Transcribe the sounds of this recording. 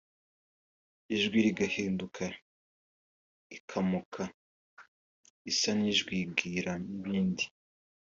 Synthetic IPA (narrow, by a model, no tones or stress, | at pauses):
iʒɡwiɾiɡaheːndukʰa | ikʰamukʰa | isaniʒɡwiɡiɾaniβiːndi̥